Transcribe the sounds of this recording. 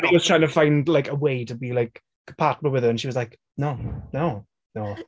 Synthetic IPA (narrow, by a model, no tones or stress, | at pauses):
ə̃niwʌz̥tʰɹ̥aɪɪ̃ŋtʰəfãɪ̃ndlajkəweɪtəbilaɪk | pʰat̚məwɪðəə̃nʃiwʌzlaɪk | noʊnoʊ | noʊ